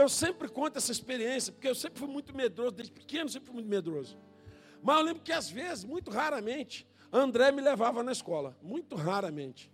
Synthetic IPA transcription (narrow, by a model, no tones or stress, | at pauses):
ewsẽmpɾɪkõnt̪ʊɛsɐispeɾiẽsjɐpoɾkeewsẽmpɾɪfujmũj̃t̪ʊmed̪ɾozʊd̪ed͡ʒɪpi̥kẽnʊsẽpɾɪfujmũt̪med̪ɾozʊ | mɐzewlẽbɾʊkɪazvezɪzmũj̃t̪ʊɦaɾɐmẽnt͡ʃɪ̥ | ɐ̃nd̪ɾɛmɪlevavɐnɐiskɔlɐmũj̃t̪ʊɦaɾɐmẽnt͡ʃɪ̥